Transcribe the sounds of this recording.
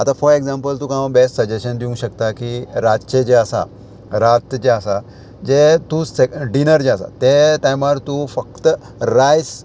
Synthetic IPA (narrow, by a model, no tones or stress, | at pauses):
at̪afɔɾeɡzãmpəlt̪ũkãbesʈsəd͡ʑeɕənd̪iũŋɡɕəkt̪akiɾat͡ɕed͡ʑeəsa̰ | ɾat̪d͡ʑeəsa | d͡ʑet̪ũseɖinəɾd͡ʑeəsa̰t̪et̪ajmaɾt̪ufəkt̪ | ɾajs